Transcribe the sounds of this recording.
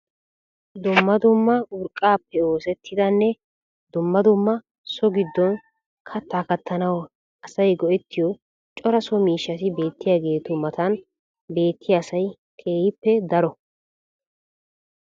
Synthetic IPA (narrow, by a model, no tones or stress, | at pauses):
d̪ʊmːɐd̪ʊmːɐʊɾkʼːaːpːɛo̞ːsɛt̪ʰːɪd̪ɐnːɛ | d̪ʊmːɐd̪ʊmːɐ | sɔɡɪd̪ːɔn | kʰɐt̪ːaːkɐt̪ʰːɐnɐw | ɐsɐjɡɔʔɛt̪ːɪjɔ | t͡ʃʼɔɾɐsɔmiːʃːɐsɪbe̞ːt̪ːɪjaɡe̞ːt̪ʊmɐt̪ɐn | be̞ːt̪ːɪjaːsɐj | kʰe̞ːhɪpːɛd̪ɐɾɔ